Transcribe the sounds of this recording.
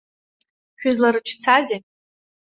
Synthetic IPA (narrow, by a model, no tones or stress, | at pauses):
kʲᶣʊzlaɾɨt͡ʃʰt͡sʰaze